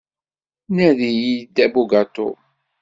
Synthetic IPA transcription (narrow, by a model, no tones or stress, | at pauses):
næðijid̪ːæbuɡat̪o̰